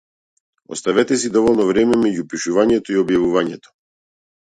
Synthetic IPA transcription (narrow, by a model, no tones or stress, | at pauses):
ɔ̰st̪avɛt̪ɛsid̪ɔvɔlˠnɔvɾɛmɛmɛɟupiʃuvaɲɛt̪ɔiɔbjavuvaɲɛt̪ɔ̥